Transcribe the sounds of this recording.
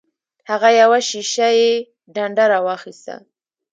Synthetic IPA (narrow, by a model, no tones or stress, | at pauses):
haɣajawaʃiʃaje | ɖaɳɖaɾawɑxist̪a̰